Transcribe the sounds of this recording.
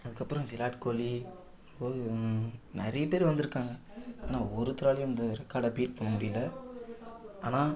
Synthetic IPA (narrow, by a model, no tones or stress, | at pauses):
ɐðɯkːɐpːɯɾɔ̃fɪlaːʈkoːli | oɯnɛɾɐjɐpeːɾiʋɐnd̪ɯɾɯkːaːŋɡɐaːnaːɔɾɯt̪ːɪɾaːlɪjʊ̃ɪnd̪ɐɾɛkːaːɽɐbiːʈ̚pɐɳːɐmʊɽɪjɯlːɐ | aːnaː